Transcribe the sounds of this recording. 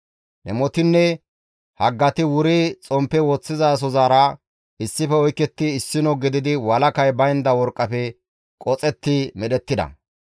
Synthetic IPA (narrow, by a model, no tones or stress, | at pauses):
nɛmɔt̪ɪnːɛ | hɐɡːɐt̪ɪwʊɾɪt͡sʼɔmpːɛwɔt͡sːɪzas̬ɔzaːɾɐ | ɪsːɪfɛɔjkːɛt̪ːɪːsːɪnɔɡɪd̪ɪd̪ɪwɐlɐkɐjbɐjnd̪ɐwɔɾkʼːɐpɛ | kʼɔt͡sʼɛt̪ːɪmɛɗɛt̪ːɪd̪ɐ̰